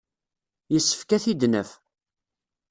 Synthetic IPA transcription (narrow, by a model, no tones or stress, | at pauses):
jəsːə̥fkæθid̪nəf